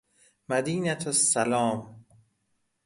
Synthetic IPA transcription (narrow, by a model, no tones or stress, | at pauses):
mæd̪iːnæt̪ʰosːælɒːm